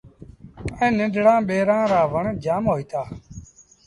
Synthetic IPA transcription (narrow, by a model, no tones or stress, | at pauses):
ɛ̃ːnɪ̃ɖʱɽãːɓeːɾãːɾaːʋəɳd͡ʒaːmɦoːiːt̪aː